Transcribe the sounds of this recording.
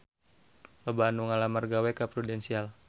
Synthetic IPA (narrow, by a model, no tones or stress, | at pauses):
ləbaːnuŋalamarɡawɛkapɾudɛnsial